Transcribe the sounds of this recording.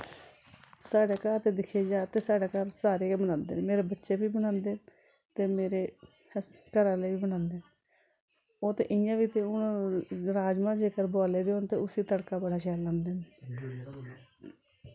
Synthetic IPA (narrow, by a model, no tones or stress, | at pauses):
saːɽeːkaːɾt̪eːd̪ɪkʰeːd͡ʒaːt̪eːsaːɽaːkaɾsaːɾeːbənãːnd̪ḛːnemeːɾeːbətːʃeːbiːbənãːnd̪eː | t̪eːmeːɾeː | kəɾãːləiiːbənãːnd̪eː | oːt̪ḛːʔɪjãːʋiːt̪ẽːʊnɾaːd͡ʒmãːd͡ʒeːkəɾbaːleːd̪eːɦõːnt̪eːʊsiːt̪əɽkaːbəɽaːʃɛːlːãːnd̪eːneː